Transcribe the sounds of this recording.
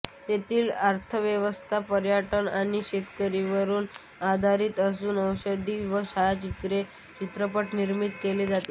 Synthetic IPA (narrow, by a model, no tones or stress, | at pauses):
jet̪iːlaɾt̪ʰəʋjəʋəst̪ʰapəɾjaʈənaɽ̃iɕet̪kəɾiʋəɾuːn | ad̪ʱaɾiːt̪əsuːnəʋɕəd̪iʋəɕaat͡ɕit̪ɾe | t͡ɕit̪ɾəpəʈniɾmit̪keled͡zat̪le